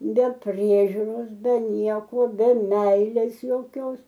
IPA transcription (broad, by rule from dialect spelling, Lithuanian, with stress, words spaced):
bʲɛ ˈpʲrʲiɛʒʲʊroːs bʲɛ ˈnʲiɛkoː bʲɛ ˈmʲɛɪlʲeːs jɛʊˈkʲoːs